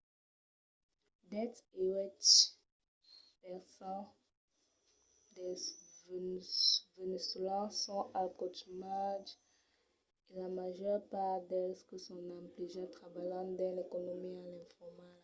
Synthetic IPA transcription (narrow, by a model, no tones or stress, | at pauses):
d̪ɛt̪ewɛt̪ | pɛʁsɑ̃ | d̪ɛv | vənyslɑ̃sɔ̃ʔalkot̪ymad | elamaʒœʁpaʁd̪ɛskəsɔ̃nãmpliʒat̪χavajɑ̃d̪ɛ̃lekonomialɛ̃fɔmal